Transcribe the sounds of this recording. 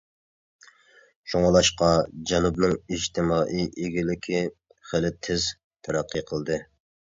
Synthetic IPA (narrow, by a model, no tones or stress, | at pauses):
ʃuŋɑlˠɑʃqɑd͡ʒɛnubnɨŋiʒt̪ʰɪmɑːʔijʔeɡʲilɪkʲʰi | χelɪt̪ʰɪz | t̪ʰɛɾɑqʰːəqʰəlˠd̪ɨ